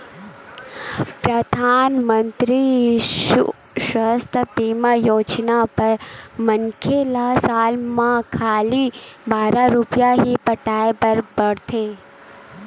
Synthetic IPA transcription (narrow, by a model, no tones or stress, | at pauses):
pɾɐd̪ʱaːnmə̃nt̪ɾiʃṵ | ʃəɦst̪ʰəpiːmajoːt͡ʃnapɐɾməŋkʰelasaːlmãkʰaːlibaːɾaɾʊpjaɦipɐʈaːepɐɾbɐɽt̪ʰeː